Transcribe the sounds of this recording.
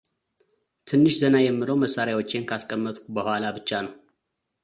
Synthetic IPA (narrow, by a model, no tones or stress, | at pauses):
t̪ʰɨnːɨʃzənajɛmːɨləwməsːaɾjawo̞t͡ʃːe̞nkʰaskʼəmːət̪ʼkʰubəhʷalabɨt͡ʃːanəw